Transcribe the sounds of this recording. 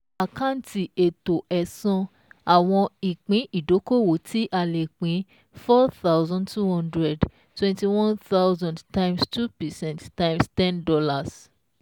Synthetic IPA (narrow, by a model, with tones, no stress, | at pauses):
a˨kã˦n̩˨ti˨e˨to˨ʔɛ˨sɔ̃˧ | a˨w̃ɔ̃˧i˨k͡pĩ˨˦ʔi˦˨do˨˦ko˦˨wo˨˦tʰi˦ʔa˧le˨k͡pĩ˨˦ | fɔ˦θa˦ʊzɔ̃˦ndtu˦hɔ̃˦ndɾɛ˨d | twɛ̃˦nti˨wɔ̃˦nθa˦wzɔ̃˨ndtã˦j̃mstu˦pɛ˨sɛ̃˦nttã˦j̃mstɛ̃˦ndɔ˦la˨s